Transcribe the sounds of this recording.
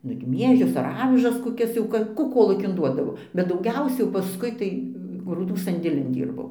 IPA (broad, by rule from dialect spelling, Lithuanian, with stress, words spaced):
nʊ ɪr ˈmʲiɛʒʲʊs ɐr ˈɑːʋʲɪʒɐs koːˈkʲɛs jɛʊ ˈkɐ kuː ˈkoːlˠuːkʲɪn ˈduɔdɐʋoː bʲɛt dɐʊˈɡʲɛʊsʲɛ jɛʊ pɐˈskʊɪ tɐɪ ɡruːˈduː sɐnʲdʲeːˈlʲɪn ˈdʲiːrbɐʊ